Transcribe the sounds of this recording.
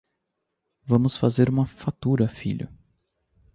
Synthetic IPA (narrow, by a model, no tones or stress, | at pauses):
vɐ̃mʊsfazeɾũmɐfat̪uɾɐfḭʎʊ̰